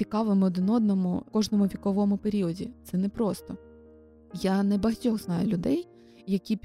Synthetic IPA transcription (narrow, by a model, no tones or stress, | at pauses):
t͡sʲikɑʋɪmɪɔd̪ɪnɔd̪̚nɔmʊ̰kɔʒnɔmʊʋʲikɔʋɔmʊpeɾʲiɔdʲḭt̪sɛnɛpɾɔst̪ɔ | janɛbɐɦɐtʲɔɦznɑjʊlʲʊd̪ɛj | jɐkʲi